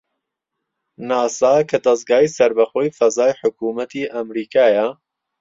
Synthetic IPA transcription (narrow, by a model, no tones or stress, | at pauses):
naːsaːkʰɐd̪ɐz̚ɡaːiːsɐɾbɐxoːjfɐzaːjħʊkuːmɐt̪ʰiːʔɐmɾiːkʰaːjɐ